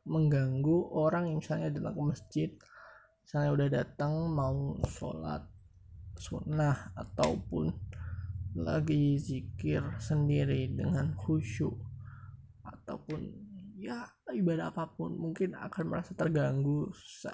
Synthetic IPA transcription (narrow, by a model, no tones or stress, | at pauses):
məŋɡaŋɡuʔoɾaŋjaŋmisalɲadat̪aŋkəməsd͡ʒɪt̪̚ | misalɲaudahdat̪aŋmauso̰la̰t̪̚ | sṵnahat̪a̰upʊ̰n | la̰ɡizikɪrsəndiɾidəŋanhuʃu | at̪a̰wpʊnja | ibadaapapʊnmuŋkɪna̰kanmə̰ɾasat̪ərɡaŋɡusu̥sa̰